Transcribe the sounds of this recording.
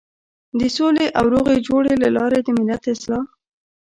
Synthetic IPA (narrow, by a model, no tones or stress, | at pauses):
d̪əsoleʔawɾoɣed͡ʒoɽelalɑɾed̪əmɪlːat̪ɪslɑ